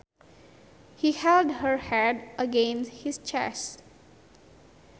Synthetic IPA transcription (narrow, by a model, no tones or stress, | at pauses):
hihɛldhəɹhɛdʔəɡẽnshist͡ʃɛ̰s